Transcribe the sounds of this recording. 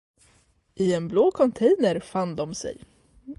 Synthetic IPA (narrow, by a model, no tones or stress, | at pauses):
ʔɪɛnbloːkʰɔnt̪ʰɛjnəɾfand̪ɔmsɛ̰j